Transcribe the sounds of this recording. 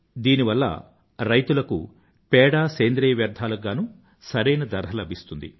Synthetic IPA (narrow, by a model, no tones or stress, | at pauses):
d̪iːniʋɐlːɐ̰ | ɾɐjt̪ulɐkṵ | pɛːɽaːseːnd̪ɾɛjɐʋjɐɾd̪ʱaːlɐɡaːnu | sɐɾɐjnɐd̪ɐɾɦɐlɐbʱist̪und̪ḭ